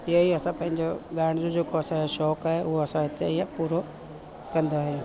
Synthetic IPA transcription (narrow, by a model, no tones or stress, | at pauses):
iaiɐsãpɐ̃ɦɪ̃ɲd͡ʑoɡaːɽ̃ɪd͡ʑõd͡ʑeːkoɐsãʃɔːkaːɦeʊɦoɐsãɦɪt̪eipuːɾo | kɐ̃nd̪aaːɦijõ